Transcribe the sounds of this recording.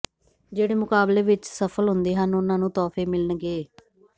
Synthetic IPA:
d͡ʒeːɽeːmʊkaːbleːʋɪt͡ʃsəpʰəlɦʊnd̪eːɦənʊnãːnũːt̪ɔːpʰeːmɪlənɡeː

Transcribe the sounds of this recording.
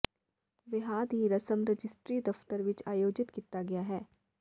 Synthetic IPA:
ʋɪɦaːd̪ɦiɾɐsəmɾɐd͡ʒɪsʈɾiːd̪ɐft̪əɾʋɪt͡ʃaːjoːd͡ʒɪt̪kit̪aɡɐjaɦɛː

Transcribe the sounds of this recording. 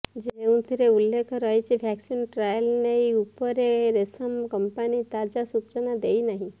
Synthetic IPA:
d͡ʒeeũt̪ʰiɾeulːekʰɔɾəɦjt͡ʃʰibʱɛksinʈɾajəlneiupəɾeɾesəmkəmpanit̪ad͡ʒasut͡ʃənad̪einaɦĩ

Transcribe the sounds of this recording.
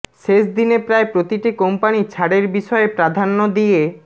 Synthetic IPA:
ʃeʃd̪inepɾaepɾot̪iʈikompanit͡ɕʰaɽeɾbiʃɔepɾad̪ʱanːod̪ije

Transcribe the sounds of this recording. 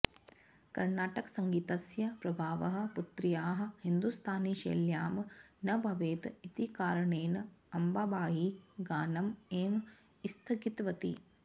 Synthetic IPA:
kɐɾnaːʈɐksɐŋɡiːt̪ɐsjɐpɾɐbʱaːʋɐɦɐ̆put̪ɾijaːɦɐ̆hind̪ust̪ʰaːniʃɐ̰ːljaːmnɐbʱɐʋeːt̪it̪ikaːɾɐɳeːnɐmbaːbaːɦiɡaːnɐmeːm | ist̪ʰɐɡit̪ʋɐt̪ḭ

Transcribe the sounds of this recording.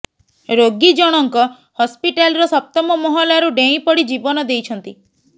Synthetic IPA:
ɾoɡid͡ʒɔɽ̃ɔŋkɔ | hɔspiʈalɾɔsɔp̚t̪ɔmɔmɔɦɔlaɾuɖẽĩpɔɽid͡ʒibɔnɔd̪ejt͡ʃʰɔnt̪i

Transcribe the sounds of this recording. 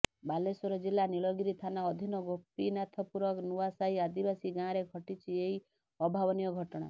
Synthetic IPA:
balesɔɾɔd͡ʒilaniɭɔɡiɾit̪ʰanaɔd̪ʱinɔɡopːinat̪ʰɔpuɾɔknuasaɦiad̪ibasiɡãɾeɡʱɔʈit͡ʃʰieɦi | ɔbʱabɔnijɔɡʱɔʈɔɽ̃a̰

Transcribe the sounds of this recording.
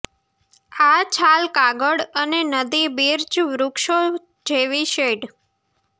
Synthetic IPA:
at͡ʃʰalkaɡəɽənenəd̪ibiɾt͡ʃʋɾukʃo | d͡ʒeʋiʃeɖ

